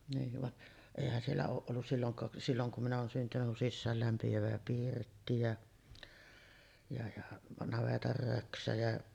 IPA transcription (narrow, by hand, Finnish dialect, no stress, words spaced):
niːʋ ʋɑʔ eˑihæn sielːæ oːʔ ʔolːus silːoŋkɑː silːoŋ kum minæ oːn syntynyk kun sisːæːlːæmpiæʋæ pirtːi jæ jɑ jɑ nɑʋetɑr røksæ jæ